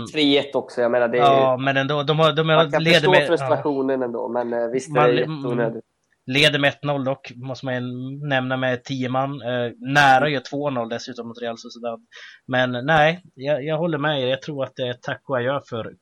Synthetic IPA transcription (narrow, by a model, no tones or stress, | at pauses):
fɾiːet̪ɔksɔjameːnadɛɑːmɛnɛnd̪oːd̪ɔmhad̪ɔmleːd̪əmːɾɵsɾaɧuːnənɛnd̪o̰ːmɛnvɪst̪mauːnød̪ | leːd̪əɾmɛɛt̪nɔlːd̪ɔkːmɔst̪əmanjnɛmnamɛt̪ʰiːəmanːæːɾajət̪ʰvoːnɔlːd̪ɛsʉ̟ːt̪ɔmɔt̪ɾɪalsʊsɛd̪ad̪mɛnːɛɪjɑjɑːɡɦɔlːəɾmɛeɾjɑɡt̪ʰɾuːɾat̪̚d̪ɛːʈ̪ʰakːʊajœːɾfœɾ